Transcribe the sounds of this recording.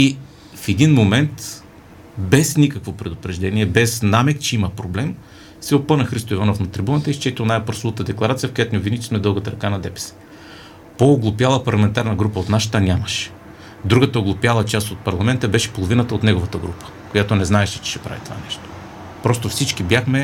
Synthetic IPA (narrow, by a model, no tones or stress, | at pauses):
i | fɛd̪inmomɛnt̪ | bɛsnikəkvopɾɛd̪ʊpɾɛʒd̪ɛniɛbɛsnamɛkt͡ʃɛiməpɾoblɛm | sɛopɤnəxɾist̪oivanofnɐt̪ɾibunət̪əist͡ʃɛt̪ʲiʊnajpɾsuvˠət̪əd̪ɛklˠɐɾat̪sijəfkojat̪nʲiovinit̪i̥smɛd̪ɤlˠɡət̪əɾɐkanɐd̪ɛpɛ̥sə̥ | poːɡlˠʊpjalˠəpɐɾlˠɐmɛnt̪aɾnəɡɾupəot̪naʃə̥t̪ənʲaməʃɛ̥ | d̪ɾuɡət̪əoɡlˠopjalˠət͡ʃast̪ot̪̚pɐɾlˠɐmɛnt̪əbɛʃɛ̥polˠovinət̪əot̪nɛɡovət̪əɡɾupə̥ | kojat̪onɛznaɛʃɛt͡ʃɛ̥ʃɛ̥pɾa̰vit̪o̥va̰nɛʃt̪o̥ | pɾɔst̪ofsit͡ʃkibjaxmɛ